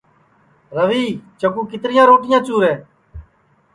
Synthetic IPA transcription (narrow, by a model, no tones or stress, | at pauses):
ɾəʋiːt͡ʃəkuːkɪt̪ɾɪjãːɾoːʈɪjãːt͡ʃuːɾɛː